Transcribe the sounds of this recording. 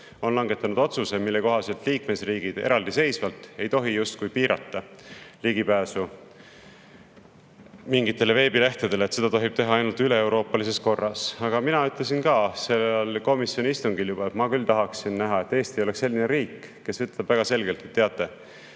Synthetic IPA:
o̞nlɑŋɡe̞t̪ːˑɑnud̪̥o̞t̪susemilːe̞ko̞ɦɑse̞lt̪liːkmesriːɡ̥id̪̥e̞̰ɾɑld̪ise̞jsvɑlt̪e̞jt̪o̞ɦijust̪kujpiːɾɑ̰t̪ˑːɑ | liɡ̥ipæːsu | miŋɡit̪ːˑe̞le̞ve̞ːbile̞ht̪ed̪e̞leːt̪se̞d̪ɑt̪o̞ɦib̥̚t̪e̞ɦɑɑjnult̪yle̞ewɾo̞ːpːˑɑlise̞sko̞rːɑsɑɡ̥ɑminɑyt̪ˑle̞s̬inkɑːse̞lːlko̞misjo̞nʲiist̪uŋɡ̥iljub̥ɑet̪mɑkylt̪ɑɦɑksinːæɦɑe̞t̪ːˑe̞ːst̪ijo̞lekse̞lːineɾiːkː | e̞svɤt̪lɑbvæɡ̥ɑse̞lɡe̞lt̪et̪ːeɑt̪ːˑe̞

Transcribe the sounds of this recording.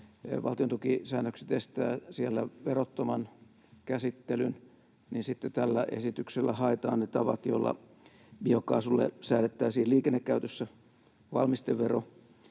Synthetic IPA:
ʋɑ̰lt̪iont̪ukisæːnːøkse̥t̪est̪æːsielːæʋerot̪ːomɑn | kæsit̪ːelyn | ninsit̪ːet̪ælːæʔḛsit̪ykselːæhɑet̪ɑ̰ːnnet̪ɑʋɑ̰t̪jolːɑ̰ | biokɑːsulːḛsæːlet̪ːæːsiːhliːkenːekːæyt̪øsːæ | ʋɑ̰lmist̪eʋʋero

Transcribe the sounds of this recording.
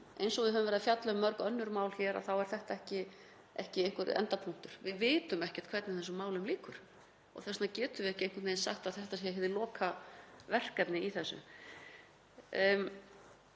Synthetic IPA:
ejnsɔɣvɪðɦœvʏmvɛɾðfjat̪lœmœɾkœnːʏɾmaːwlçɛːɾa̰θawɛɾ̥θɛht̪aɛhcɪ | ɛ̰hcɪejŋ̥kʏɾɛ̰nt̪apʰuŋ̥t̪ʏɾ̥vɪðvɪːt̪ʏmɛhcɛ̥t̪kʰvɛɾt̪nɪθɛsːʏmaːwlʏmliːkʏɾ̥ | ɔ̰ɣθɛsnacɛːt̪ʏvɪɛhcɪejŋkʏɾt̪nejnsa̰xt̪aðθɛht̪asɛɦɪvðɪlɔːkʰavɛr̥kɛpnɪiθɛsːʏ̰

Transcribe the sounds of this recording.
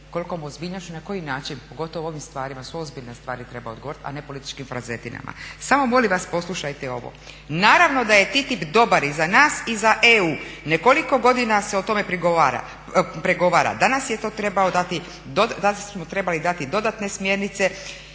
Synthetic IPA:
ko̞liko̞mozbiːʎnoʃt͡ʃunako̞jinaːt͡ʃinpo̞ɡo̞t̪oʋoo̞ʋimst̪ʋaːɾimasoozbiʎlnest̪ʋaːɾit̪ɾe̞baod̪ɡooɾit̪a̰ne̞po̞lit̪i̥t͡ʃkimfɾazet̪ina̰ma̰samo̞mo̞limʋaspo̞slˠuʃajt̪eo̞̰ʋo̰ | naːɾaʋno̞d̪aje̞t̪it̪ipd̪o̞baɾizanaːsizaʔeuːneko̞liko̞ɡo̞d̪inaseo̞t̪o̞me̞pɾiɡoaɾa̰ | pɾeɡo̞ʋaːɾa̰d̪anasjet̪o̞ːt̪ɾebaod̪at̪i | d̪od̪amot̪ɾe̞balid̪at̪id̪o̞d̪at̪ne̞smje̞ɾnit̪se

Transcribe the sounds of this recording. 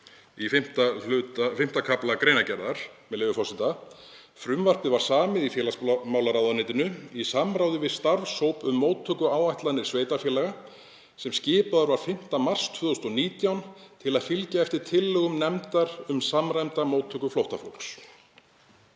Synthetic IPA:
ifɪm̥t̪aʏt̪afɪm̥t̪akʰaplakɾeːjnacɛɾðaɾ̥mɛðleːvʏfɔsɪnt̪a | fɾʏmvar̥p̪ɪðvaɾ̥saːmɪðifjɛːlasmaːwlaɾawðanɪːt̪ɪnʏisamɾaːwðɪvɪðst̪aɾvshowpʏmːoːwt̪ʰːœkʏaːwaht̪lanːɪɾ̥sveːjt̪afjɛːlɛɣa | sɛmscɪːpaðaɾvaɾ̥fɪm̥t̪amar̥st̪ʰv̥œːðʏst̪ɔniːt̪jawnt̪ʰɪlaðfɪlcaɛft̪ɪɾ̥t̪ʰɪlːʏɣʏmnɛmt̪aɾ̥ʏmsamɾajmt̪amoːwt̪ʰːœkʏflowht̪afowlks

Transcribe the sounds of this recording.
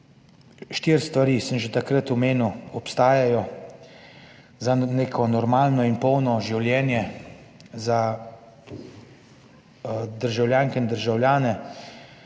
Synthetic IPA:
ʃt̪iːɾst̪ʋaɾiːsəmʒɛt̪akɾət̪ɔmeːnuɔpst̪aːjajɔ | zaneːkʰɔnɔɾmaːlnɔinpɔwnɔʒiwljɛːnjɛ | za | d̪əɾʒawljaːŋkɛind̪əɾʒawljaːnɛ

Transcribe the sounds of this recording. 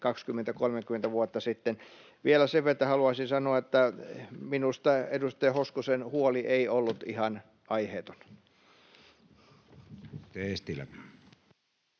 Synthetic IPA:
kɑkskymːent̪ækolmekyment̪æʋuot̪ːɑsit̪ːen | ʋielæseʋʋet̪ːæhɑluɑisinsɑnoɑet̪ːæminust̪ɑedust̪ejɑhoskusenhuoliʔeiolːut̪ihɑn | ɑiheːt̪o̥n | t̪eest̪ilæ̰

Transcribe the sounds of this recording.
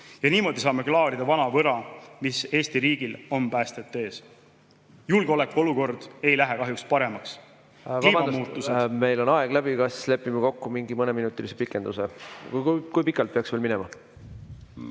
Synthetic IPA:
jɑniːmo̞d̪isɑːme̞klɑːɾid̪̥ɑvɑnɑvɤɾɑmise̞ːst̪iɾiːɡ̥ilo̞mpæːst̪et̪ːeːs | julɡ̥eole̞kːuo̞luko̞rd̪̥e̞jlæɦekɑɦjukspɑɾe̞mɑks | vimɑmɑmuːt̪ːˑuseme̞jlo̞nɑeɡ̥læbikɑsle̞pːˑimɑko̞kːumiŋɡimɤneminut̪ːˑilise̞pikːˑe̞nd̪usekkujpikːˑɑlt̪̚peɑksvelminɛmɑ

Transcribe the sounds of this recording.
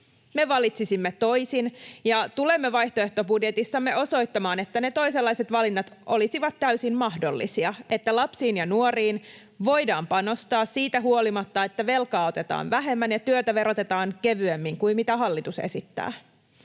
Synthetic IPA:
me̞ʋɑlit̪sisimːet̪o̞isinjɑt̪ulemːeʋɑjht̪oe̞ht̪o̞budjet̪isːɑmːe̞ʔo̞so̞jt̪ːɑmɑːnet̪ːænet̪o̞iselːɑjse̞t̪ʋɑlinːɑt̪ʔo̞lisiʋɑt̪t̪ːæysimmɑhdo̞̰lːisiɑe̞t̪ːælɑpsiːnjɑnuoriːn | ʋo̞jdɑːmpɑno̞st̪ɑːssiːt̪æɦuolimɑt̪ːɑet̪ːæʋe̞lkɑːo̞t̪e̞t̪ɑ̰ːnʋæɦe̞mːænjɑt̪yøt̪æʋe̞ɾot̪e̞t̪ɑːŋke̞ʋyemːiŋkuimmit̪æɦɑlːit̪usḛsit̪ːæ̰ː

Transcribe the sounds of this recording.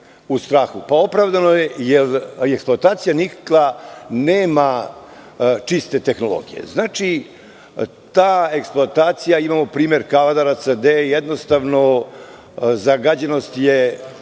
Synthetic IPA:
ust̪ɾaːxupao̞pɾavd̪anojejeleksploat̪aːt̪sijanikklˠaneːma | t͡ʂist̪e̞t̪exno̞lˠo̞̰ɡijḛznaːt͡ʃi | t̪aːe̞ksploat̪aːt̪sijaimamo̞pɾiːmeɾkaʋad̪aɾasəd̪ejed̪no̞st̪aʋno | zaɡad͡ʑenost̪je

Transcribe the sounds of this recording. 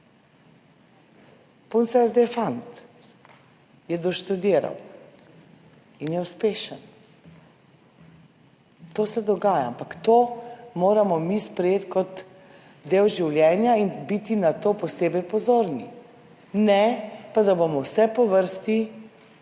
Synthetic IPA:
punsɛzd̪efant̪ | jɛd̪ɔʃt̪ud̪iːɾa̰w | injɛuspeːʃən | t̪oːsɛd̪ɔɡaːjaampakt̪oːmoːɾamɔmispɾɛjeːt̪kɔt̪ | d̪eːwʒiwljɛːnjainbit̪inat̪oːpɔseːbɛjpɔzoːɾnḭ | nɛpad̪abomɔwsɛpɔʋəɾst̪i

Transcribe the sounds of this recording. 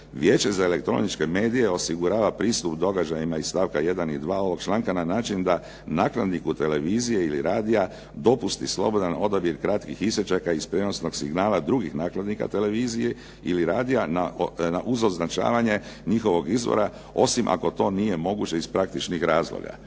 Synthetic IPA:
ʋjeːt͡ʃe̞zae̞le̞k̚t̪ɾo̞̰nit͡ʃke̞me̞ːd̪ije̞o̞siɡuɾaːʋapɾiːst̪upd̪o̞ɡad͡ʒajimaist̪aːʋkaje̞d̪anid̪ʋaːo̞ʋo̞ɡ̥t͡ʃlˠaːŋkananaːt͡ʃind̪a | naːklad̪nikut̪e̞le̞ʋiːzije̞iliɾaːd̪ija | d̪o̞pust̪islˠo̞̰bo̞d̪ano̞d̪abjiɾkɾat̪kixiset͡ʃakaispɾeno̞sno̞ɡsiɡnaːlad̪ɾuɡixnaːklad̪nika̰t̪e̞le̞ʋiːzije | iliɾaːd̪ijananaʔuzo̞znat͡ʃa̰ːʋaɲe̞ɲixo̞ʋo̞ɡizʋo̰ɾa | o̞̰simʔa̰ko̞t̪o̞ːnije̞mo̞ɡut͡ɕe̞ispɾak̚t̪it͡ʃnixɾaːzlo̰ɡa̰

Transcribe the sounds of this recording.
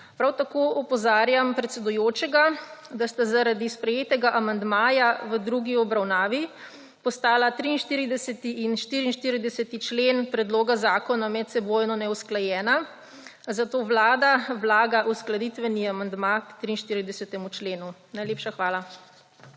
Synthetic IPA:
pɾawt̪akoʔɔpɔzaːɾjampɾɛt̪sɛd̪ujoːt͡ʃɛɡad̪ast̪azaɾad̪ispɾɛjeːt̪ɛɡaʔamand̪maːjaʋəd̪ɾuɡiɔbɾawnaːʋi | pɔst̪aːlat̪ɾiːnʃt̪iːɾid̪ɛsɛt̪iːnʃt̪iːɾiːnʃt̪iːɾid̪ɛsɛt̪it͡ʃlenpɾɛd̪loːɡazaːkɔnamɛt̪sɛboːjnɔnɛwsklajɛːna | zat̪oːʋlaːd̪awlaːɡaʔusklad̪it̪ʋɛniamand̪makt̪ɾiːnʃt̪iːɾid̪ɛsɛt̪ɛmut͡ʃleːnunajleːpʃaxʋaːla

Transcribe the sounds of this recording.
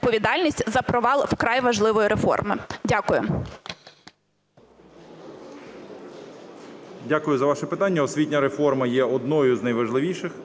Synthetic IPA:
pɔʋʲid̪ɑlʲnʲisʲtʲzɐpɾɔʋɑlˠwkɾɑjʋɐʒlˠɪʋɔjiɾefɔ̰rmɪ̰dʲakʊjʊ | dʲakʊjʊzɐʋɑʃɛpɪt̪ɑnʲːɐɔsʲʋʲitʲnʲɐɾefɔrmɐjɛɔd̪̚nɔjʊznɐjʋɐʒlˠɪʋʲiʃɪx

